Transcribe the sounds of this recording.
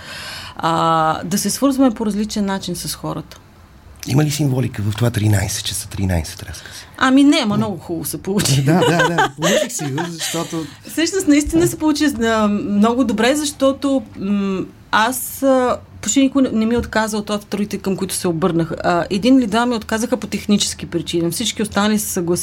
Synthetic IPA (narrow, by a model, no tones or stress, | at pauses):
əd̪ɐsɛsvɤɾzvɐmɛpoɾɐzlit͡ʃɛnːat͡ʃinsɐsxɔɾət̪ə̥ | ḭməlisiɱvɔlikəvəft̪ovat̪ɾina̰jsɛ̥t̪̚t͡ʃəsə̥t̪ɾḭna̰jsɛ̥t̪ɾa̰sə̥saminɛmɐmnɔɡʊxullˠosɛpolˠut͡ʃid̪ad̪ad̪apolˠut͡ʃixsɛuzɐʃt̪ɔt̪o | fsəʃnʊst̪nɐist̪inəsɛpolˠut͡ʃiəmnɔɡʊd̪obɾɛzɐʃt̪ɔt̪o | asəpoʃt̪inikʊnɛmiot̪kazəlˠt̪vat̪t̪ɾuit̪ɛkəmkʊit̪ʊ̥sɛobɤɾnəxʔɛd̪inlid̪vamiot̪kazəxəpot̪ɛxnit͡ʃɛ̥sk̟ipɾit͡ʃinɐfsit͡ʃkiost̪anəlisɛ̥səɡlˠɐs